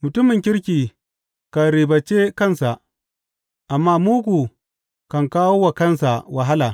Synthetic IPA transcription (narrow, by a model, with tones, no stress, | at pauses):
mʊ˨tʊ˦mɪ˨ŋkʲɪ˦ɾkʲiː˨ | ka˨ɾiː˨bɐ˨t͡ʃe˦kɐ˦˨nsa˨ʔ | ʔa˨mːaː˦muː˦ɡʷu˨ | kɐ˨ŋkaː˦woː˦wa˨kɐ˦˨nsa˨wa˨ɦa˦laː˨